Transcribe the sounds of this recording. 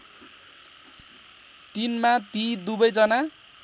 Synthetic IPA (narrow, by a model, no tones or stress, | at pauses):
t̪inmat̪id̪ubʌjd͡zʌna